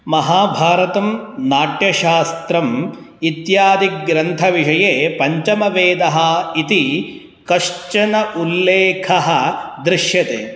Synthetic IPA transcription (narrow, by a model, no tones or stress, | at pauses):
mɐɦaːbʱaːɾɐt̪ɐmnaːʈjɐʃaːst̪ɾɐmit̪jaːd̪ʱiɾɐnt̪ʰɐʋiʂɐjeːpɐɲt͡ʃɐmɐʋeːd̪ɐɦɐit̪i | kɐʂt͡ʃɐnɐʔulːeːkʰɐɦɐ̆d̪ɾɪʃjɐt̪eː